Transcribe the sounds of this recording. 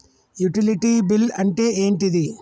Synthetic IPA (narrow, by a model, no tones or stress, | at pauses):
juʈɪlɪʈːibɪlɐɳʈeeːnʈiði